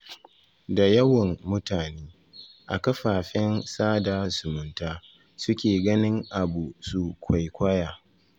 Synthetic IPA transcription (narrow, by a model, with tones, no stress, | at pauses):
da˨jɐ˦wɐ˨mːʊ˦taː˨neː˦ | ʔa˨kɐ˦ɸaː˨ɸɛ˦nsaː˦da˨sʊ˨mʊ˨ntaː˦ | sʊ˦kʲeː˨ɡɐ˦nɪ˦ŋʔa˨bu˨su˨kʷʰa˨jkʷaː˦jaː˨